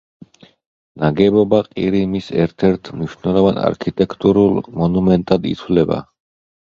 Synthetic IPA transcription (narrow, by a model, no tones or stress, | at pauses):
naɡɛbɔbaqʼiɾimisɛɾt̪ʰɛɾt̪ʰmniʃnɛlˠɔvana̰ɾkʰit̪ʼɛkʰt̪ʼuɾulˠmɔnumɛnt̪ʼad̪ḭt̪ʰvlɛba̰